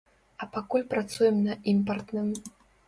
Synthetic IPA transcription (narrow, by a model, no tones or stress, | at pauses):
ɐpakulʲpɾat̪sujɛmnɐimpɐrt̪nɨm